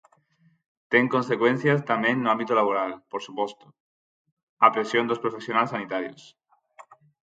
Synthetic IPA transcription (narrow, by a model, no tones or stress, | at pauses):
t̪e̞ŋko̞nse̞kwe̞n̟θjast̪amjẽnːoãmbit̪olaβoɾalpoɾsupo̞st̪o̥ | apɾesjond̪ospɾofe̞sjonalsanit̪aɾjo̰s